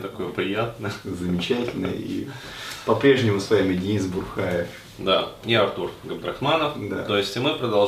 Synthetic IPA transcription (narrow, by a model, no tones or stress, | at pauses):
t̪ɐko̞jəpɾʲɪjat̪̚nəzəmʲɪt͡ɕætʲɪlʲnə̰jə̰ḭ | pɐpɾʲe̞ʐnʲɪmʊsvamʲɪdʲnʲizbʊxajɪf | d̪aiɐrt̪urɡəmd̪ɾɐxmanəfd̪a̰t̪o̞ɪsʲtʲmɨpɾəd̪ɐlˠ